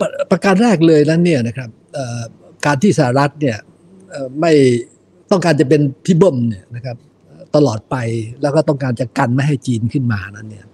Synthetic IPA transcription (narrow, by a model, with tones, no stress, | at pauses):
pɾa˧ka˧nɾɛː˥˩k̬̚lɤː˧jna˦˥nːi˥˩ɐna˦˥kʰɾa˦˥p̚ʔəː˨˩ | kaː˧nt̪ʰiː˥˩sa˧˩a˨˩ɾa˦˥t̪̚ni˥˩ɐ | ʔəː˨˩ma˥˩j | t̪ɔ˥˩ŋkaː˧nt͡ɕa˨˩pe˧nt̪ʰiː˥˩bɤ˥˩mni˥˩ɐna˦˥kʰɾa˦˥p̚ | ʔəː˨˩t̪a˧lɔː˨˩t̪̚pa˧jlɛː˦˥wkɔː˥˩t̪ɔ˥˩ŋkaː˧nt͡ɕa˨˩ka˧nma˥˩jɦa˥˩jt͡ɕiː˧nkʰɯ˥˩nmaː˧a˧na˦˥nːi˥˩ɐ